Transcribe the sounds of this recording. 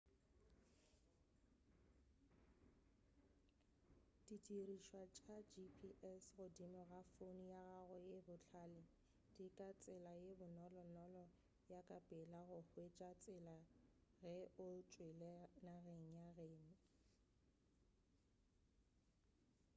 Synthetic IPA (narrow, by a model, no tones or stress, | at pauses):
d̥itʼiriʃwat͡ʃʼad͡ʒipʰiʔɛsɣʊdimɔɣafonijaɣaɣʊjebʊt͡ɬʰaːlɪ | d̥ikʼat͡sʼɪlajebʊnɔlɔnɔlɔ | jakʼapʼɛlaɣʊhwet͡ʃʼat͡sʼɪlaɣɛʊt͡ʃʼwelɛnaɣeŋ̩jaɣeːŋ̩